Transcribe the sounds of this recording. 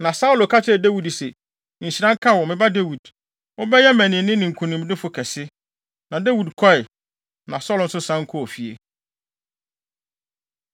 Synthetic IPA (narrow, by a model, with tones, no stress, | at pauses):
nã˨sa˦ʊ˦lo˨kʰa˦t͡ɕʰɪ˦ɛ˨de˦wi˨dsɛ˨ | ɲ̩˨ɕi˨ɾã˦ŋ˦kʰa˦wɔ˨mɪ̃˨ba˦de˦wi˨d | ɔ˦bɛ˦jɛ˦mæ̃˨nɪ̃˨nɪ̃˦nɪ̃˨ŋ̩˨kʰũ˨nĩ˨m˦dɪ˦fʊ˨kʰɛ˨sɪ˦ | nã˨de˦wi˨dkʰɔ˦ɪ˨ | nã̰˨sɔ˦ln̩˦sʊ˦sã˦ŋ̩˦kʰɔ˦ɔ˨fi˨ḛ˨